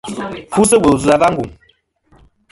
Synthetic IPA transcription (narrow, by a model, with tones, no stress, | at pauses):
fu˦sə˦wə˨zu˨a˨˦va˦ŋ̩˦ɡu˨ŋ